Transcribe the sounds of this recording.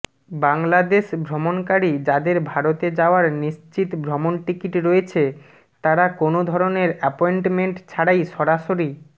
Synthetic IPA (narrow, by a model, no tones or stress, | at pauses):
baŋlad̪eʃbʱɾomonkaɾid͡ʑad̪eɾbʱaɾot̪ed͡ʑaoaɾniʃt͡ɕit̪bʱɾɔmonʈikiʈɾoet͡ɕʰe | t̪aɾakonod̪ʱɔɾoneɾɛpoeɳʈmeɳʈt͡ɕʰaɽajʃɔɾaʃoɾi